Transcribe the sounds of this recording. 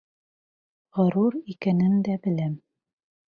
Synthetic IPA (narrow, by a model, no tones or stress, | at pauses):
ʁɤ̆ɾuɾikænɘnd̪æbɘ̆læm